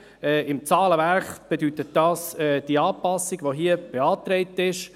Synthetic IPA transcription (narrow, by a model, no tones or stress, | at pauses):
ɛːɪmt͡sɑːləvæɾχb̥edytət̚d̥ɑːsɛːd̥iɑːpɑsːiɡʋoɦiəb̥eɑːt̪ɾɛɪtɪʃ